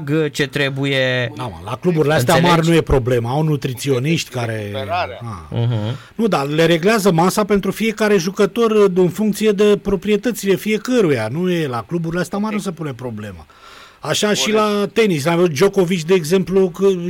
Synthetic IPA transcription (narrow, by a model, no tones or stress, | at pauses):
ɡt͡ʃet̪ɾebujeama̰la̰klubuɾileas̬t̪eamarʲnuje̞pɾo̞ble̞maawnut̪ɾit̪sio̞niʃt̪ʲkaɾḛa̰ | nud̪ale̞ɾe̞ɡleazəmasape̞nt̪ɾufije̞kaɾe̞ʒukət̪o̞rɨnfuŋk̚t̪sije̞d̪e̞pɾo̞pɾie̞t̪ət̪sile̞fije̞kəɾujanuje̞laklubuɾileast̪eamarʲnus̬e̞pune̞pɾo̞ble̞ma̰ | aʃaʃilat̪e̞nis̬laaveut̪d͡ʒo̞ko̞vit͡ʃʲd̪e̞ːɡze̞mplukə